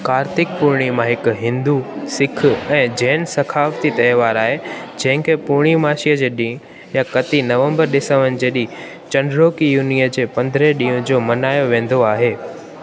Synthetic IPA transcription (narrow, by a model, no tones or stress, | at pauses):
kaːɾt̪ɪk̚pʊɾɽ̃imãɦɪkɦɪ̃nd̪usɪkʰɛ̃ːd͡ʑɛːnsɐkʰaːʋt̪it̪ɐjʋaːɾaːɦed͡ʑɐ̃ɦɪ̃kʰepʊɾɽ̃imaːʃijəd͡ʑeːɗĩ | jakɐt̪inɐʋə̃mbəɾɗɪsəʋənɪ̆d͡ʑeːɗĩː | t͡ɕɐ̃ɳɖɾoːkijuːnijəd͡ʑeːpɐ̃nd̪ʱɾeɗĩːʊ̃d͡ʑoːmɐnaːjoʋẽːn̆d̪oaːɦeː